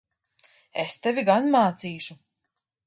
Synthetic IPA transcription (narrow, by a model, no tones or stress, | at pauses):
est̪ɛvʲiɡanmaːt̪siːʃu